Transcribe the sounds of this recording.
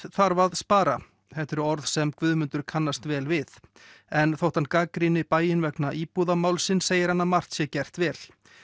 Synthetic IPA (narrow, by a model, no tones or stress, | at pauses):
θaɾvaðspaːɾa | θɛht̪ɛɾʏɔɾðsɛmkvʏðmʏnt̪ʏɾ̥kʰanːast̪vɛːlvɪθɛnθowht̪ankakɾinɪpaːjɪnvɛknaʔipuðamaːwlsɪnseːjɪɾhanːamar̥t̪sjɛcɛr̥t̪vɛːl